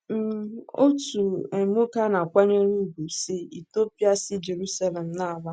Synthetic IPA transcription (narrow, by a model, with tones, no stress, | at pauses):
m̩˨o˦tu˨e˨mʊ˦ka˦na˨kʷa˦ɲe˦ɾu˦˨ɡu˨sɪ˦i˨to˦pja˦sɪ˦d͡ʒe˨ɾu˦sa˦le˨m̩˨na˦a˨ba˦